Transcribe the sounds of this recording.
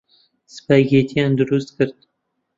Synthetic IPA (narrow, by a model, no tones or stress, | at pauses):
sɨ̥pæɡeːt̪ʰijaːnd̪ʊɾust̪̚kʰɨɾd̪̚